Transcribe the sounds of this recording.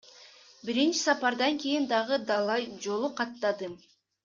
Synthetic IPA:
biɾint͡ʃi̥sɑpɑɾd̪ɑŋke̞jind̪ɑʁɯd̪ɑlˠɑjd͡ʒo̞lˠuqɑt̪ːɑd̪ɯ

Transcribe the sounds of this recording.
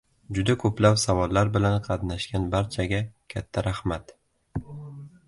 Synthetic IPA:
d͡ʒʊd̪akʰɵplawsavɒlːaɾbɪlanqʰɑt̪naʃɡʲanbaɾt͡ʃʰaɡʲakʲʰat̪ʰːaɾahmat̪

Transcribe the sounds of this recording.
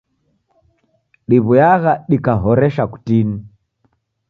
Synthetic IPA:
ɗiβujaɣaɗikaɦɔɾɛʃaku̥tini

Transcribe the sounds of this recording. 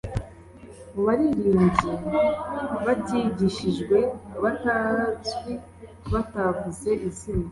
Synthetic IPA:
muβaɾiɾiːɲzi | βatiɟiʃiʒɡwe̞βatazɡi | βatavuze̞ʔizina

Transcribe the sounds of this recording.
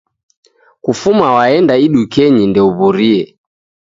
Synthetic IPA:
kufumawaɛndaiɗukɛɲindɛuβuɾiɛ

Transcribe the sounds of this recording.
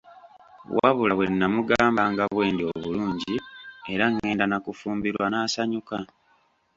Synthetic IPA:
wʔaβulaβwe̞nːamuɡaːmbaŋɡaβwe̞ːndio̞βuluːɲɟie̞ɾaŋːe̞ːndanakufuːmbiɾwanaːsaɲuka

